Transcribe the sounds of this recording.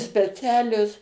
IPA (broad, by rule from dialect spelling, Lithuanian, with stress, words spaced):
sʲpʲɛˈt͡sʲæːlʲoːs